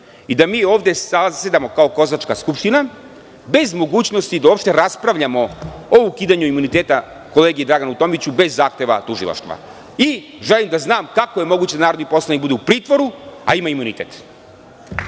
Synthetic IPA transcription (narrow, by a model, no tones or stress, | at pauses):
id̪amiːo̞ːʋd̪jesased̪amo̞kao̞ko̞zat͡ʃkaskupʃt̪ina | be̞zmo̞ɡuːt͡ɕno̞st̪id̪aoːpʃt̪eɾaspɾaʋʎamo̞oukiːd̪aɲuimunit̪e̞ːt̪a | ko̞le̞ːɡijed̪ɾaɡanut̪o̞ːmit͡ɕube̞zːaːxt̪e̞ʋa̰t̪uʒḭlˠa̰ʃt̪ʋa̰ | i | ʒelimd̪aznaːmkakoje̞mo̞ɡut͡ɕed̪anaːɾo̞d̪nipo̞slˠanikbud̪eupɾiːt̪ʋo̞ɾua̰imaimunit̪ḛt̪